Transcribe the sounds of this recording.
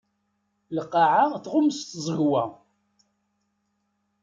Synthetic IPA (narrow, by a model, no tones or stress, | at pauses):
ləqːɑʕaθʁʊməst̪zˤəɣwæ